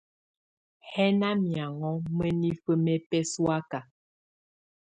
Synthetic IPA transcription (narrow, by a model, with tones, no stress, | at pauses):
hɛ˦na˦mja˨ŋɔ˦mə˦ni˦fə˦mɛ˦pɛ˦swa˦ka˨